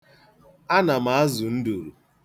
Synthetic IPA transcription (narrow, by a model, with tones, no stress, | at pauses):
a˦na˨ma˨˦a˦zu˨n̩˦du˨ɾṵ˨